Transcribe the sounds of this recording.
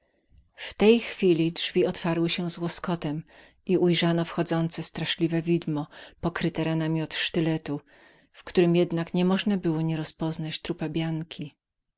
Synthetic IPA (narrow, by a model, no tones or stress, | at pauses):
ft̪ɛjxfʲilʲidʐvʲiɔt̪faɾwɘɕɛzwɔskɔt̪ɛm | iujʐanɔfxɔd̪zɔnt̪sɛst̪ɾaʂlʲivɛvʲid̪mɔpɔkɾɘt̪ɛɾanamʲiɔt̪ʂt̪ɘlɛt̪u | fkt̪uɾɘmjɛd̪nakɲɛmɔʐnabɘwɔɲɛɾɔspɔznat͡ɕt̪ɾupabʲjaŋkʲʰi